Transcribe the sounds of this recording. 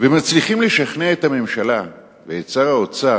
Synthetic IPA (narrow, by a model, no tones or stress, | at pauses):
vemat͡sliχimleʃaχneet̪hame̞mʃala | veet͡saʁaot͡sa